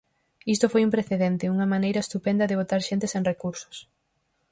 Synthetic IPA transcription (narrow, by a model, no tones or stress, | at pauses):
ist̪ofojumpɾeθeðent̪ɪuŋɐmãnejɾɐest̪upend̪ɐðeβ̞ot̪aɾʃent̪eseŋrekuɾsʊ̥s